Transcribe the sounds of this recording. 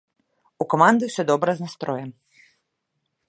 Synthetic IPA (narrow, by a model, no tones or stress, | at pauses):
ukɔmand̪ɪsɛd̪ɔbɾaznast̪ɾɔjɛm